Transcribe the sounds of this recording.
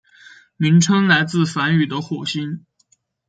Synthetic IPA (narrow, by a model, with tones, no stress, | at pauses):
mi˧˥ŋʈ͡ʂʰɤ˥ŋla˧˥ɪt͡sɹ̩˥˩fa˧˥ny˨˩d̪ə˦xwɔ˨˩ɕi˥n